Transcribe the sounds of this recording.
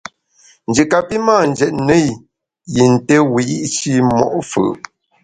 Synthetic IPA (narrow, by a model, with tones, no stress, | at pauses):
n̩˨d͡ʒə˨ka˨pi˦ma˦˨n̩˨d͡ʒɛ˨t̚nə˦˨j | ji˨n̩˨te˦wi˨i˦ʔʃi˦mɔ̰˨ʔfɯ̰˨ʔ